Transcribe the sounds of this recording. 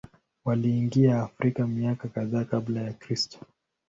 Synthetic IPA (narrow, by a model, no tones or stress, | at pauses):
waliːŋɡiaːfɾikamiakakaðaːkablajakɾistɔ̥